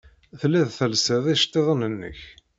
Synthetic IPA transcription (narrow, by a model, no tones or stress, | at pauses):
θlːæðθəlsəðˤiʃt̪ˤːeðˤənənːə̰ç